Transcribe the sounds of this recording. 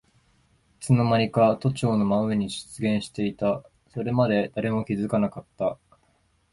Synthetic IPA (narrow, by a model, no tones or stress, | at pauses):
ɯ̥t͡sɨno̞maɾʲikat̪o̞t͡ɕo̞ːno̞maɯeɲ̟iʑɨ̥t͡sɨɡẽ̞ɰ̃ɕi̥t̪e̞it̪a | so̞ɾe̞mad̪e̞d̪̥aɾe̞mo̞kʲizɨkanakat̪ːa